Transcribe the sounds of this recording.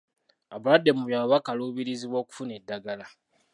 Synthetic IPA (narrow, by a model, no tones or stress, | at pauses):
abuɾademuβjawaβakaloβiɾiziwoku̥funedːaɡala